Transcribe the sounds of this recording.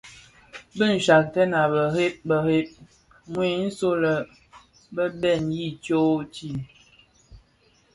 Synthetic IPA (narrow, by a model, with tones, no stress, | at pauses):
bə˦n̩˨ʃa˨k̚tə˦na˨bə˨ɾe˦p̚bə˨he˦p̚ | ŋwi˦˨n̩˦so˦lə˨ | bə˦bɛ˦˨nji˦˨t͡ʃo˦t͡ʃi˦˨